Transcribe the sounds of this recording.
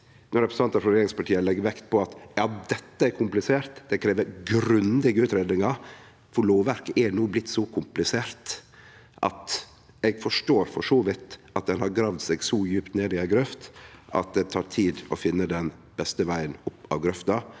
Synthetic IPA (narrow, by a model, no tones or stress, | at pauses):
nɔɾɛpʰɾəs̩ɑnt̪ɑflʊɾeːɾɪŋspɑʈʰiːəlɛɡʋɛkt̪̚pʰɔɑt̪jɑːd̪ɛt̪ːəæɾkʰʊmplɪseːɾt̪d̪̥ɛkʰɾeːʋəɾɡɾʉnd̪ɪɡəʉːt̪ɾeːd̪nɪŋɑɾ | fɔɭloːʋʋæɾkəʔɛnuːblɪt̪ːsɔkʰʊmplɪseːɾt̪ | ʔɑ̰t̪ | ɛɡfɔʂʈoːɾfɔʂoːʋɪt̪ʔɑt̪̚d̪ɛnhɑɾɡɾɑːʋd̪sɛɡsɔjʉːpt̪neːd̪ɪæɡɾœft̪ʔɑ̰t̪̚d̪ɛt̪ʰɑːɾʈ̪ʰiːd̪ɔfɪnːəd̪ɛn | bɛst̪əʋæɪənʊpːɑ̰ʋɡɾœft̪ɑ